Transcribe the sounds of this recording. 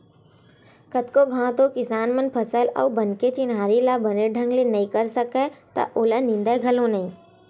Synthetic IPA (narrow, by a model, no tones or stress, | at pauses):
kət̪koɡʱãːt̪õkɪsaːnmənpʰəsəlɔ̰ːbənket͡ʃɪnaːɾilabəneɖʱə̃ŋɡlenɐɦĩkəɾsəkẽt̪ɐ̰ʔoːlanɪ̃nd̪əɡʱəlõnɐɦĩ